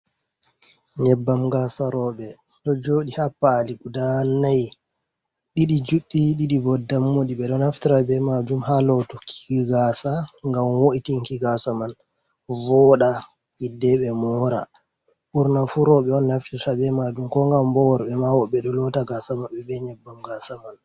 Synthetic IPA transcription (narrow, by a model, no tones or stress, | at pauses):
ɲɛbːamɡasaɾɔɓɛ | ɗɔd͡ʒoɗihapːaːliɡudanːaj | ɗiɗid͡ʒuɗːiɗiɗivɔdamːoɗiɓɛɗɔnaftiɾabɛmad͡ʒumhalɔtukʰi̥ɡɡasaŋɡamwoʔitiŋkiɡasaman | vɔɗa | idːɛɓɛmɔɾa̰ | ɓuɾnafuɾɔɓɛɔnːaftiɾabɛmad͡ʒumkɔŋɡambɔwɔɾɓɛmawɔɓɛɗɔlɔtaɡasamaɓɛbɛɲɛbːamɡasaman